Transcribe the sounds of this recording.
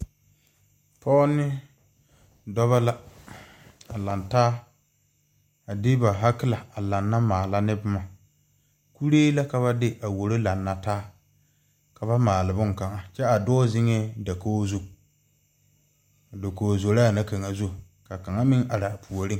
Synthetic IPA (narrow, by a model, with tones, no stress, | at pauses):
pɔ˦nːɪ˦ | dɔ˦βa˦la˦ | a˨la˨ntaː˦ | a˨dɪ˦ba˨ɦa˦kɪ˦la˨a˨la˨nːa˦maː˨la˦nɪ˦bʊ˦ma˨ | ku˦ɾeː˦la˦ka˨βa˦dɪ˦ʔa˨wo˨ɾo˦la˨nːa˦taː˦ | ka˨ba˦maː˨lɪ˨bʊ˦ŋ˨ka˨ŋa˨t͡ʃɛ˦a˨dɔː˦zɪ˦ŋɛ˦da˨koː˦zu˦˨ | da˨koː˨zo˨la˦˨na˦ka˨ŋa˨zu˦˨ | ka˨ka˨ŋa˦mɪ˦ŋa˨ɾa˨pʰu˨o˨ɾɪ˦˨